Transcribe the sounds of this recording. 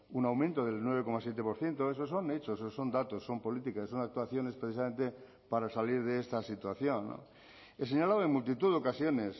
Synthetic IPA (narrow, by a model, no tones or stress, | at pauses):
unawmẽnt̪oðe̞lnweβeko̞masje̞t̪̬e̞po̞ɾθje̞nt̪oes̬oso̞net͡ʃososo̞nd̪at̪osːo̞mpo̞lit̪ikasonak̚t̪uaθjo̞ne̞spɾeθisamẽnt̪e | paɾasaliɾðeest̪asit̪waθjo̞nːo̰ | es̬eɲalaðoeŋmult̪̬it̪uðeo̞kasjo̞nes